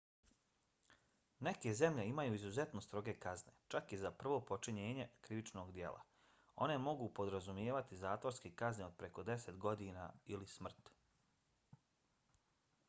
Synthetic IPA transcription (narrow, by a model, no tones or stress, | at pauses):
ne̞ke̞ze̞mʎe̞imajuːizuze̞t̪nost̪ɾo̞ɡe̞kaznet͡ʃakizapr̩ʋo̞ːpo̞t͡ʃiɲeːɲe̞kɾiʋit͡ʃnoːɡd̪je̞̰lʔa̰ | o̞̰ne̞mo̞ɡupo̞d̪ɾazumjeːʋat̪izaːt̪ʋo̞ɾskekazneo̞d̪̚pɾe̞ko̞d̪e̞se̞t̪ɡo̞d̪iːna̰ːilismr̩t̪